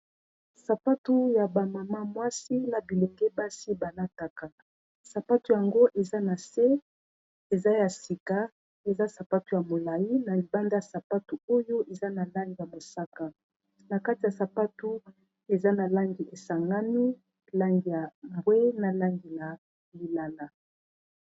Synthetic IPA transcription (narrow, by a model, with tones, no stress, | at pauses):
sa˨pa˦tu˦ja˨ba˨ma˨ma˦mwa˦si˦na˨bi˨lo˨ŋɡɛ˦ba˦si˦ba˨la˦ta˨ka˨ | sa˨pa˦tu˨ja˨ŋɡo˦ʔe˨za˦na˨se˦ | e˨za˦ja˨si˨ka˦ | e˨za˦sa˨pa˦tu˨˦ja˨mo˨la˨ji˦na˨li˨ba˦nda˦ja˨sa˨pa˦tu˨o˦jo˦ʔe˨za˦na˨la˦ŋɡi˨ja˨mo˨sa˦ka˨ | na˨ka˦ti˨ja˨sa˨pa˦tu˦ | e˨za˦na˨la˦ŋɡi˨ʔe˨sa˨ŋɡa˦mi˦ | la˦ŋɡi˨ja˨mbwe˦na˨la˦ŋɡi˨la˨ | li˨la˦la˨